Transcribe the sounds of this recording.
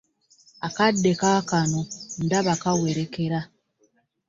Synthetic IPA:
akadːekakanon̩daβakaweɾekeɾa

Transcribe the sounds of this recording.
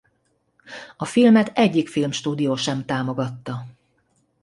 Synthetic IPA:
ɒfilmɛt̪ɛɟːikfilmʃt̪uːd̪ijoːʃɛmt̪aːmo̞ɡɒt̪ːɒ

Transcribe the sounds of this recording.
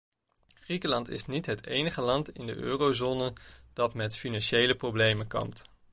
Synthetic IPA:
χrikəlɑntɪ̰snitɦətejnəχəlɑntɪ̰ndə̰ʔø̰ːrowzoːnəd̥ɑtmɛtfinɑnʃejləprowblejmənkɑ̰mt

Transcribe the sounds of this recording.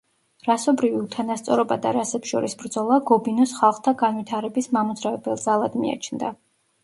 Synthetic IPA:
ɾasɔbɾiviut̪ʰanast̪sʼɔɾɔbad̪a̰ɾasɛpsʃɔɾisbɾd̪zɔlˠaɡɔbinɔsχalˠχt̪ʰaɡanvit̪ʰaɾɛbismamɔd̪zɾavɛbɛlˠd̪zalˠad̪mḭa̰t͡ʃʰnd̪a

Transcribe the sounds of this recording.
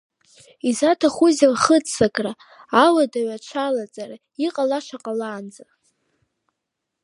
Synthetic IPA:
izatʰaχuzalχət͡sʼsakʼraː | wadaɥat͡ʃʷʰalat͡sʼara | iqʼalaʂaqʼalaːnd͡za

